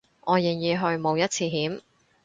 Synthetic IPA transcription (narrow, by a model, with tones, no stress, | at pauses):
ʔɔː˨˧jɪ˨˩ŋjiː˨˧ɦɵ˧ɥmo˨˧wjɐ˥t̚t͡sʰiː˧ɦiː˨˥m